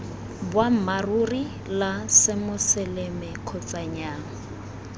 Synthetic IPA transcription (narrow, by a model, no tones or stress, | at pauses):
bwam̩maruri | lasɪmʊsɪlɛmɛkʰɔt͡sʼaɲaːŋa